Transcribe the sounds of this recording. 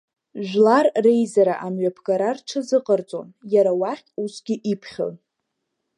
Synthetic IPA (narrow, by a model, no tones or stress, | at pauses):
ʒᶣlarːe̞jzaɾaʔamɥapʰɡaɾarʈ͡ʂʰɨzɨqʼərt͡sʼo̰njaɾawaχʲʼusɡʲɪʔipʰχʲo̰l